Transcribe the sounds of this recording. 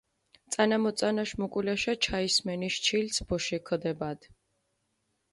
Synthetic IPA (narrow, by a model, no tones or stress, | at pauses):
t̪sʼanamɔt̪sʼanaʃmɔkʼwilaʃat͡ʃʰaismɛniʃt͡ʃʰilsʰbɔʃikʰd̪ɛbad̪̥